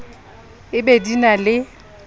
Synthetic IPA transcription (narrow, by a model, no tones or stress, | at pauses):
ɪbedinalɪ